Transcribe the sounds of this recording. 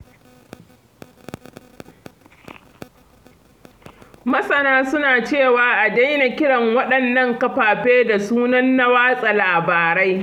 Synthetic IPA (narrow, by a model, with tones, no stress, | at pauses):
mɐ˦sʼɐ˨naː˦sʊ˦naː˨t͡ʃeː˦˨waː˦ʔa˨da˦jna˨kʲɪ˦ɽɐ˨ŋwɐ˦ɗɐ˨nːɐ˦ŋkɐ˦ɸaː˨ɸeː˦da˨suː˦nɐ˦nːa˦waː˦sʼa˨laː˨baː˨ɾa˦j